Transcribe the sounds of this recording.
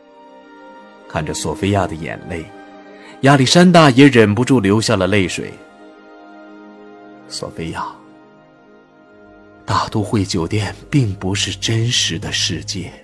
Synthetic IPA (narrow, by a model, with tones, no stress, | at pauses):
kʰa˥˩nʈ͡ʂə˩swɔ˨˩fe˥ɪja˥˩d̪ə˩jɛ̰˨˩nle˥˩ɪ | ja˥li˨˩ʂa˥nt̪a˥˩jɛ˧˥ɻə˨˩np̬u˧˥ʈ͡ʂu˥˩ljo˧˥ʊɕja˥˩lə˩le˥˩ɪʂwḛ˨˩˦ɪ | swɔ̰˨˩fe˥ɪja˥˩ | t̪a˥˩t̪u˥xwe˥˩ɪt͡ɕjo˨˩ʊt̪jɛ˥˧npi˥˩ŋpu˧˥ʂɻ̩˥˩ʈ͡ʂə˥nʂɻ̩˧˥d̪ə˧ʂɻ̩˥˧t͡ɕjɛ˥˩